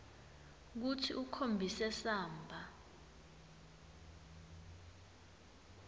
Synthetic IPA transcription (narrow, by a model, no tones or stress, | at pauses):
k̬utʰiʔukʰombʱisɛsaːmbʱa